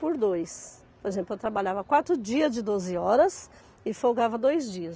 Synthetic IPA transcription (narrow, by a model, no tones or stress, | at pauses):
poɾd̪ojs | poɾezẽplʊewt̪ɾabaʎavɐkwat̪ɾʊd͡ʒiɐzd͡ʒɪd̪ozɪɔɾɐs | ɪfowɡavɐd̪ojzd͡ʒiɐs